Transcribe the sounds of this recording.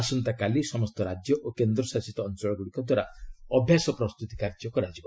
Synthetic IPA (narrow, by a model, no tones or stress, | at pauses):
asɔnt̪akalisɔmɔst̪ɔɾad͡ʒjɔʔokend̪ɾɔsasit̪ɔːnt͡ʃɔɭɔɡuɽikɔd̪waɾaɔbʱjasɔpɾɔst̪ut̪ikaɾd͡ʒjɔkɔɾad͡ʒibɔ